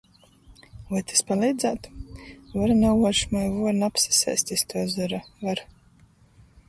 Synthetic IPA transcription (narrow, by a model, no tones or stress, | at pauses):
vajt̪ʰi̥spalˠiːd̪zæːt̪vaɾnawvɔɾʃmajvuɔɾnapsḁsɛ̰jsʲt̪ʲist̪uɔzuɾavaɾ